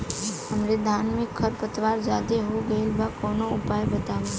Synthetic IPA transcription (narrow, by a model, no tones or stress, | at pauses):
ɦəmɾed̪ʱaːnmɪkʰːəɾpət̪ʋaːɾd͡ʒaːd̪eɦoɡɐɪlbʱakɔːnõʊpaːjbɐt̪aːʋa